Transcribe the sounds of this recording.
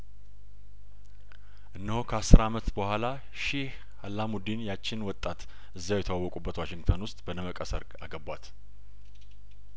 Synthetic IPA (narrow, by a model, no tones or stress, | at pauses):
ʔɨnːəhokʰəasːɨɾamət̪bəhʷwʷala | ʃɪh | alːamud̪injat͡ʃːɪnwɔt̪ʼːat̪ | ʔɨzːawjɛt̪ʰəwawːɔkʼubːət̪waʃɪŋɡt̪ʰənwʊst̪ʼbənəməkʼəsə̰ɾɡaɡəbwat̪